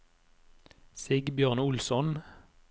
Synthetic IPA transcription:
seːɡbjøːʁnʊlsɔn

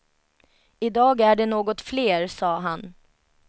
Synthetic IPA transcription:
ɪd̪ɑːɡæɖɛnoːɡɔt̪fleːɾsɑːɦan

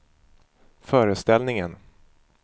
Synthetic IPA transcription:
fœːɾəst̪ɛlnɪŋən

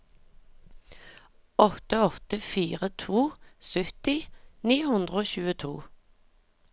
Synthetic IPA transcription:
ɔt̪əɔt̪əfiːʁət̪ʰuːsœt̪ɪniːhʉnd̪ʁəoːçʉːət̪ʰuː

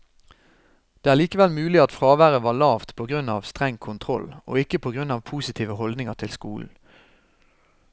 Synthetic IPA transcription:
d̪̥eːæːʁliːkəʋɛlmʉːlɪɑt̪fʁɑːʋæːʁəʋɑːlɑːʋt̪pʰoːɡʁʉnɑːʋst̪ʁɛŋkʰʊnt̪ʰʁɔlo̰ːɪkəpʰoːɡʁʉnɑːʋpʰuːsɪt̪ʰiːʋəhɔld̪nɪŋəʁt̪ʰɪlskuːln̩

